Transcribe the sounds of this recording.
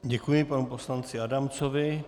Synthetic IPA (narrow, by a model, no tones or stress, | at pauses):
ɟɛkujɪpanupo̞slant͡sɪadamt͡sovɪ